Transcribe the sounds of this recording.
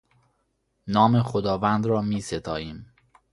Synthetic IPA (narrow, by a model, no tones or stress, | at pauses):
nɒːmexod̪ɒːvænd̪ɾɒːmiːset̪ʰɒːiːm